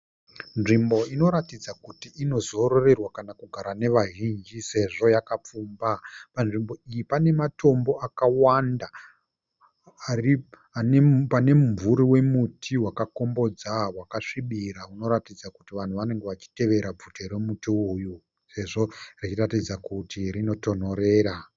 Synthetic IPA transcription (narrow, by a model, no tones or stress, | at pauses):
nʐimbo̞ino̞ɾatid͡zakutiʔino̞zo̞ɾo̞re̞rwakanakuɡʱaɾane̞ʋaɦind͡ʒise̞ʐo̞jakap͡fuːmbapanʐimbo̞ijipane̞matʰo̞mbo̞ʔakawanda | ri | nepane̞mmvuɾiwe̞mutʰiwakako̞mbo̞d͡zawakaʂiɓiɾauno̞ɾatid͡zakutiʋan̤uʋane̞ŋɡeʋat͡ʃi̥te̞ʋe̞ɾab͡vʱutʰeɾe̞mutiuju | se̞ʐo̞rit͡ʃiratid͡zakutirino̞to̞n̤o̞ɾe̞ːɾa